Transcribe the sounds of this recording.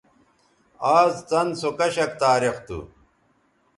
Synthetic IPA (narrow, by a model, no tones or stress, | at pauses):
aːzt͡sɐnsokɐɕɐkt̪aːɾixt̪ṵ